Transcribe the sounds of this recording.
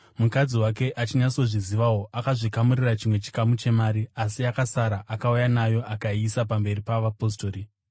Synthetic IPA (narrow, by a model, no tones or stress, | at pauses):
mukad͡ziwake̞ʔat͡ʃiɲaso̞ʐiziʋawo̞ʔakaʐikamurirat͡ʃimwe̞t͡ʃi̥kamut͡ʃe̞maːɾiasiakasaɾaʔakaujanajo̞ʔakaisap̬ambe̞ɾipaʋapo̞s̬to̞ːɾi